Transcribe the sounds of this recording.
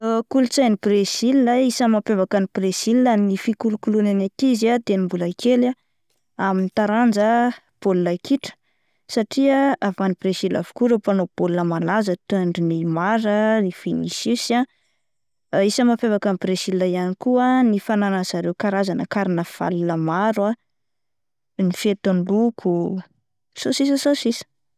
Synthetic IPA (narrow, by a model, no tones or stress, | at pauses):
kulut͡sajnibrezililaisəmapevakanib̥reziliannifikulukulunanakizat̪enimbulaikela | aminit̪aɾand͡zə | b̥olulaikiʈ͡ʂə̥ | saʈ͡ʂiaavanibrezila̰vu̥kuɾepanob̥olunəmalazət̪uaɳɖ͡ʐinimaɾənifinisisia | isəmafevakambresilːajanikuanifananəzaɾewkaɾazanəkaɾinəv̥a̰lləmaɾwa | nifet̪anlukʰu | sosisəsosisə̥